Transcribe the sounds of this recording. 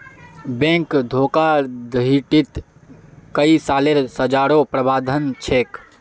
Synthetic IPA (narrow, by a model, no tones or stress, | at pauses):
bɛ̃kd̪ʱoːkad̪iʈit̪ | kəisaːleɾsəd͡ʒaːɾopɾəbaːd̪ʱənt͡ʃʰeːk